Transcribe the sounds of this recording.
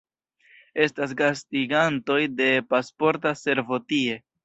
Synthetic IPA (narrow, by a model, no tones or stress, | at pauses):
e̞stas̬ɡastiɡanto̞jde̞paspo̞ɾtase̞ɾvo̞tie̞